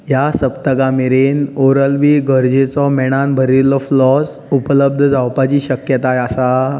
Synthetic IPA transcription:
jasəpt̪əɡameɾenoɾəlʋiːɡəɾd͡ʑet͡sɔmɛɽ̃anbʱəɾilɔflɔs | upələb̚d̪ʱəd͡zʱawpat͡ɕiːɕəkjət̪ajasa

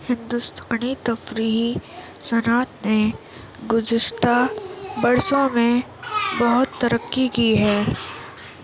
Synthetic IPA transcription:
hɪ̃nd̪ust̪ʰaːnit̪ɐfɾiːɦi | sɐnaːt̪ne | ɡʊzɪʃt̪ʰabɐɾsõmẽ | bɐɦʊt̪ːɐɾəkːikiɦɛː

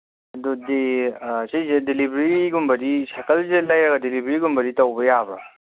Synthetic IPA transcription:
dudesejzedelibɾiɡumbɐɾisakɐlzelajɐɡɐdelibɾiɡumbɐɾitɐwbɐjabɾa̰

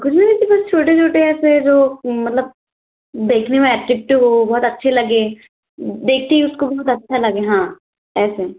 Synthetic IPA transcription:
kʊd͡ʒʰmẽnɪt̪ibɐst͡ʃʰoːʈet͡ʃʰoːʈeɛːsed͡ʒoːmɐt̪ləb̚ | d̪eːkʰnemẽɛːʈɾɪk̚ʈɦobɔɦːt̪ɐtːʃʰelɐɡeː | d̪eːk̚ʰt̪iɦʊskobɔɦʊt̪ɐtːʃʰalɐɡeɦãː | ɛːse

